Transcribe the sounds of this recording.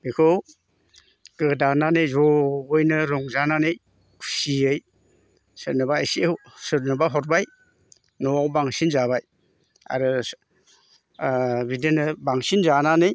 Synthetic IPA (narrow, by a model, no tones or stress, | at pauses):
bekʰow | ɡ̥ɯdananɯjzɔbɔjnɯɾɔŋzananɯj | kʰu̥siɯj | sɯtnɯbaːjsiwsɯɾnɯbaɦɔɾ̚baj | nɔawbaŋsinzaβaj | a̰ɾɯ | bidɯnɯbaŋsinzananɯj